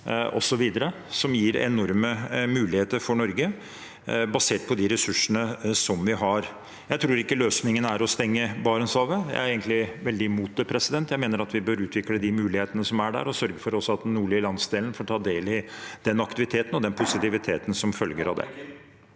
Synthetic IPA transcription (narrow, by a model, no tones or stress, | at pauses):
ɔ̰sɔʋiːd̪əɾə | sɔmjiːɾɛ̰nɔɾməmʉːlɪheːt̪əɾfɔɳɔɾɡə | bɑseːʈ̚pʰɔd̪ɪɾɛsʉʂːənəsɔmʋɪɦɑɾ | jæɪt̪ʰɾuːɾɪkːəløːsnɪŋənæɾɔst̪ɛŋːəbɑːɾənsɑːʋəjæ̰ɪæɾeːɡənt̪lɪʋɛld̪ɪmuːt̪əpʰɾɛsɪd̪ɛnt̪jæɪmeːnəɾɑt̪ʋɪbøɾʉːt̪ʰʋɪkləd̪ɪmʉːlɪheːt̪ənəsɔmæɖæ̰ɾɔsœɾɡəfɔɾɔsːɔɑt̪nuːɭɪlɑnsd̪eːlnfoːʈʰɑːd̪eːlɪd̪̥ɛnɑkt̪ɪʋɪt̪ʰeːt̪ənɔd̪ɛnpʰʊsɪt̪ɪʋɪt̪ʰeːt̪n̩sɔmfœlɡəɾɑ̰ʋd̪ɛ̰